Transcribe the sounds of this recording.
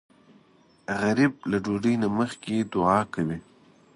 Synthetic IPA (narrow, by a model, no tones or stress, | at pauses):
ɣaɾib̚laɖoɖəjnaməxked̪ʊʕɑkawi